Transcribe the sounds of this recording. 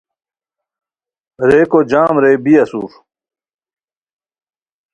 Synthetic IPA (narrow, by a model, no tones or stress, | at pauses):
ɾeːkod͡ʑaːmɾeːbiɐsṵːf